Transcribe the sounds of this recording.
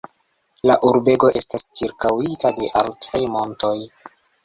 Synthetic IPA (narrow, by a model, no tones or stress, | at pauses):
laʔuɾbe̞ɡo̞ʔe̞stast͡ʃiɾkawitade̞ʔaltʰajmo̞nto̞j